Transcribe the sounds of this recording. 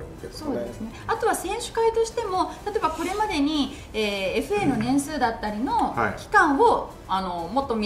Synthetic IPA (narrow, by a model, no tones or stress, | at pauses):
so̞ːd̪esɨne̞at̪o̞β̞asẽ̞ɰ̃ɕɨ̥kait̪o̞ɕi̥t̪e̞mo̞t̪at̪oebako̞ɾe̞mad̪e̞ɲ̟i | eːeɸɯ̟e̞no̞nẽ̞ɰ̃sɨːd̪at̪ːaɾʲino̞̰kʲi̥kãɰ̃o̞ | ano̞mo̞t̪ːo̞mʲi